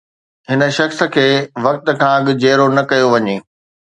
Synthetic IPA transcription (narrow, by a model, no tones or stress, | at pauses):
ɦɪnə̆ʃɐxsə̆kʰeːʋɐk̚t̪ə̆kʰãɐɠɪ̆d͡ʑeːɾonɐkɐjoʋɐɲeː